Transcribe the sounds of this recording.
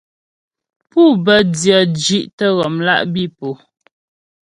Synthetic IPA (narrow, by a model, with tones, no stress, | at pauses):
puː˦˨bə˦djɔ˨d͡ʒi˦ʔtə˦ɣɔ˨mla̰˦ʔbi˦˨po˨